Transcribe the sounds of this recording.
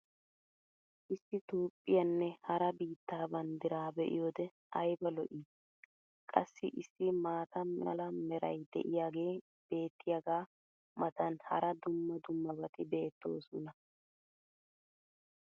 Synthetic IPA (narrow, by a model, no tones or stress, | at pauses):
ʔɪsːɪt̪uːpʼːɪjɐnːɛhɐɾɐbiːt̪ːaːbɐnd̪ɪɾaːbɛʔɪ̰joːd̪ɛ | ʔɐjbɐlɔʔiː | kʼɐsːɪʔɪsːɪmaːt̪ɐɐ̰lɐmɛɾɐ̰jd̪ɛ̰ʔɪjaːɡe̞ː | b̥e̞ːt̪ːɪjaɡaː | mɐt̪ɐnhɐ̰ɾɐd̪ʊmːɐd̪ʊmːɐbɐt̪ɪbe̞ːt̪ːo̞̰ːsʊnɐ